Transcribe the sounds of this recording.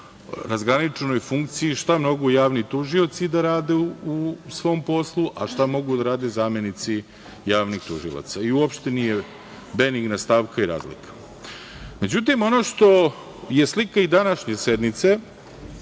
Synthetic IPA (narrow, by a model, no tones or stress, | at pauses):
ɾazɡɾanit͡ʃe̞no̞jfuŋkt̪sijiʃt̪amno̞ɡujaːʋnit̪uʒiot̪sid̪aɾaːd̪eusʋo̞ːmpo̞slˠuʔaʃt̪amo̞ɡud̪aɾaːd̪e̞zaːmje̞nit̪si | jaːʋnixt̪uʒḭlˠa̰t̪saiuopʃt̪e̞nije̞ | be̞niɡnast̪aːʋkaiɾa̰ːzlḭkḁ | me̞d͡ʑut̪̬imo̞noʃt̪o̞ | je̞slikaid̪anaʃɲe̞se̞d̪nit̪se